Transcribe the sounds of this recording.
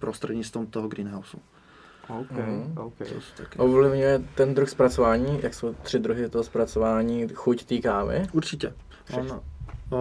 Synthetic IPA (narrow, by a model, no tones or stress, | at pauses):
pɾost̪rɛdɲɪt͡st̪vumt̪oɦoɡɾiːnɦawsu | oɦ̩ost̪akʔovlɪvɲujɛt̪ɛnd̪ɾuxspɾat͡sovaːɲiːjʔaksowt̪r̝̥ɪd̪ɾuɦɪt̪oɦospɾat͡sovaːɲiːxuct̪iːkaːvɪ̰ʔuɾt͡ʃɪcɛ | ʔon